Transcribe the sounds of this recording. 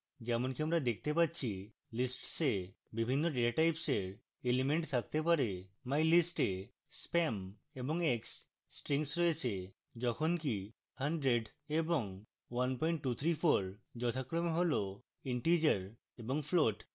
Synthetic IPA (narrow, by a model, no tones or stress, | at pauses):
d͡ʑɛmonkiamɾad̪ekʰt̪epatːt͡ɕʰi | lisʈse | bibʱinːoɖeaʈajpseɾ | elimeɳʈt̪ʰak̚t̪epaɾemajlisʈe | spɛm | eboŋeksː | ʈɾiŋsɾɔet͡ɕʰe | d͡ʑɔkʰonki | haɳɖɾeɖ | eboŋ | wanpɔjɳʈːut̪ʰɾifʰoɾd͡ʑɔt̪ʰakɾomeɦolo | iɳʈid͡ʑəɾ | eboŋfloʈ